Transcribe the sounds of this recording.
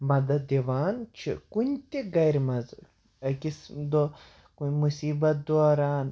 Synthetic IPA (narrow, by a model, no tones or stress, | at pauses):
mɐd̪ɐd̪ʲeʋaːnt͡ʃʰḭkunʲt̪ʲiɡɐjɾmɐz | kismd̪o | kunʲmusiːbɐt̪̚d̪oːɾaːn